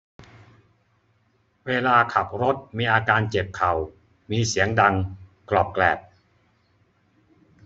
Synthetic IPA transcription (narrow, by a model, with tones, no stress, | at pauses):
weː˧laː˧kʰa˨˩p̚ɾo˦˥t̪̚miː˧ʔaː˧kaː˧nt͡ɕe˨˩p̚kʰa˨˩w | miː˧si˩˦əŋda˧ŋklɔː˨˩p̚klɛː˨˩p̚